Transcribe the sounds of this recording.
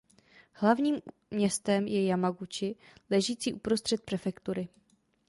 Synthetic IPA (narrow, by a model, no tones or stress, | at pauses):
hlavɲiːm | mɲɛst̪ɛmjɛjamaɡut͡ʃɪlɛʒiːt͡siːʔupɾo̞st̪r̝̥ɛt̪̚pɾɛfɛkt̪uɾɪ